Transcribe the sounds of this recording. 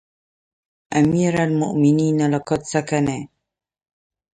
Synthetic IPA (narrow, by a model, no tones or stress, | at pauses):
ʔamiːɾalmʊ̰ʔmɪniːnalɑkɑt̪sakane